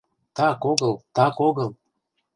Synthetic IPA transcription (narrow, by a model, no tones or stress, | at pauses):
t̪ɑkoɣɤ̆lˠt̪ɑkoɣɤ̆lˠ